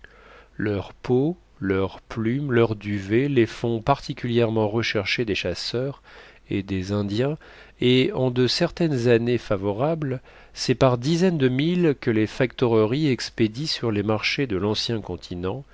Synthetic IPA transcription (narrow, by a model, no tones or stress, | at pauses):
lœʁpo | lœʁplymlœʁd̪yvelefɔ̃paʁt̪ikʲyljɛʁmɑ̃ʁəʃɛʁʃed̪eʃasœʁ | ed̪ezɛ̃d̪jɛ̃ | eɑ̃d̪əsɛʁt̪ɛnzanefavɔʁabl | sɛpaʁd̪izɛnd̪əmilkəlefak̚t̪ɔʁəʁiɛksped̪isyʁlemaʁʃed̪əlɑ̃sjɛ̃kɔ̃t̪ʰinɑ̃